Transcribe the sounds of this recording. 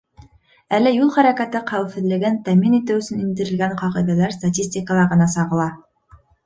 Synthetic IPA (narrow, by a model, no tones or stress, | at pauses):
ælːæjulˠχæɾækæt̪ɘqæwɘ̆fɘ̆ðlɘ̆ɡɘnt̪æminit̪ɘwɵ̆sɘnind̪ɘ̆ɾɘ̆lɡæɴqɑʁɤ̆jðælæɾst̪atʲisʲtʲikəlˠɑɾʁɤ̆nɑsɑʁɤ̆lˠɑ